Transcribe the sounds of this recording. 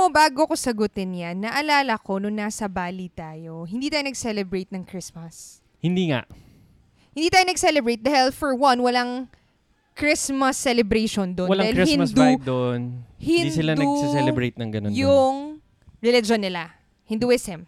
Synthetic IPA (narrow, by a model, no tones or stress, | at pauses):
obaːɡokosɐɡʊt̪ɛnjanːɐʔɐlaːlɐko̞nʊŋnaːsɐbaːlit̪aːjo̞ɦɪnd̪iːt̪aːjonɐɡsɛlɛbɹejt̪̚nɐŋkɹɪsmɐs | hɪnd̪iːŋa̰ʔ | hɪ̃nd̪iːt̪aːjonɐɡsɛlɛbɹejt̪̚d̪aːhɪlfɔɹwɐnwɐlaŋ | kɹɪsmɐsːɛlɛbɾejʃond̪onwɐlaaːhɪlɾihɪnɐsb̪aud̪onhɪndisɪland̪ɐuɡsɛsɛlɛbɾejt̪̚nɐŋɡɐnonjʊŋ | ɹɛlɪd͡ʒonːɪla | hɪnd̪uwɛsɛm